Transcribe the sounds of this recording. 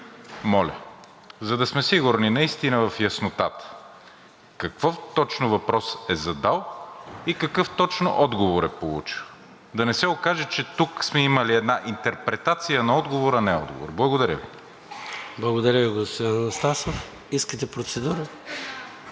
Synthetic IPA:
mɔlʲə̰ | zɐd̪ɐsmɛsiɡʊɾninɐist̪inəvɐfjɐsnot̪at̪ə̥ | kɐkvoft̪ɔt͡ʃnovɐpɾɔsɛzɐd̪alˠikɐkɤft̪ɔt͡ʃno̰ʔɔd̪ɡovoɾɛpolˠut͡ʃi̥x | d̪ɐnɛsɛokaʒɛt͡ʃɛt̪uksmɛiməliɛd̪naʔint̪ɛɾpɾɛt̪at̪sijənɐɔd̪ɡovoɾɐnɛɔ̰d̪ɡo̰vo̰ɾblˠɐɡod̪ɐɾʲə̰vḭ | blˠɐɡod̪ɐɾʲəviɡost̪anost̪asof | iskət̪ɛpɾot̪sɛd̪uɾə

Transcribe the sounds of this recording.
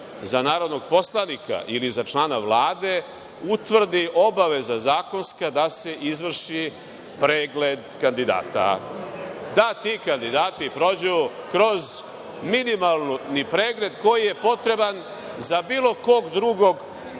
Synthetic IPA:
zanaːɾo̞d̪noɡ̚po̞slˠanika̰ʔilizat͡ʃlaːnaʋlˠaːd̪e̞ | ut̪ʋr̩d̪iʔo̞baʋe̞zazaːko̞nskad̪ase̞ʔizʋr̩ʃi | pɾeːɡle̞d̪kand̪id̪a̰ːt̪a̰ | d̪at̪ikand̪id̪aːt̪ipɾo̞d͡ʑujukɾo̞z | minimalˠnunipɾe̞ːɡle̞d̪ko̞jije̞po̞t̪ɾe̞ban | zabiːlˠo̞ko̞ɡd̪ɾuɡo̞ɡ

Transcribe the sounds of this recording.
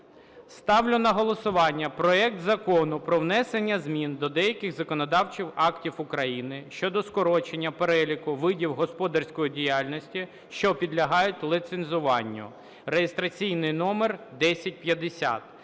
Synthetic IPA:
st̪ɑwlʲʊnɐɦɔlˠɔsʊʋɑnʲːɐpɾɔɛkt̪zɐkɔnʊpɾɔwnɛsenʲːɐzmʲind̪ɔd̪ɛjɐkʲɪxzɐkɔnɔd̪ɑwt͡ʃiwɑktʲiwʊkɾɐjinɪʃt͡ʃɔd̪ɔskɔɾɔt͡ʃenʲːɐpeɾɛlʲikʊʋɪdʲiwɦɔspɔd̪ɐrsʲkɔjidʲijalʲnɔsʲtʲi | ʃt͡ʃɔpʲid̪lʲɐɦɑjʊtʲlˠit̪senzʊʋɑnʲːʊ̰ | rejest̪ɾɐt͡sʲijnɪjnɔmerd̪ɛsʲɐt̚ʲpjɐd̪esʲa̰t̪̚

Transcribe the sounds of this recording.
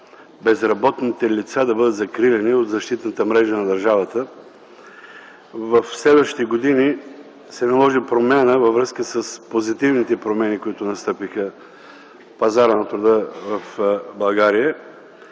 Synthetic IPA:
bɛzɾɐbɔt̪nit̪ɛlit̪sad̪ɐbɤd̪ət̪zɐkɾilɛniod̪zɐʃt̪it̪nət̪əmɾɛʒənɐd̪ɐɾʒavət̪ə | vɐfslɛd̪vəʃi̥t̪ɛɡod̪ini | sɛnɐlˠɔʒipɾomʲjanəvɐvɾɤskəsəspozit̪ivnit̪ɛpɾomɛnikoit̪ʊnɐst̪ɤpixə | pɐzaɾənɐt̪ɾʊd̪əvɐfbɐlˠɡaɾijə

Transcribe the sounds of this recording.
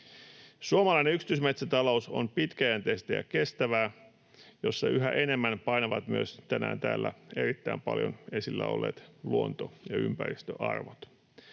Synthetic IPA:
suomɑlɑjneyksi̥t̪ysmet̪sæt̪ɑlo̞uso̞̰mpit̪kæjænt̪est̪æjɑ̰ke̞st̪æʋæː | jo̞sːɑyɦæʔe̞ne̞mːænpɑjnɑʋɑt̪myøst̪ænæ̰ːnt̪æːlːæe̞ɾit̪ːæimpɑ̰ljo̰nesilːæo̞̰lːḛːt̪luont̪ojɑympæɾist̪ø̰ʔɑrʋot̪

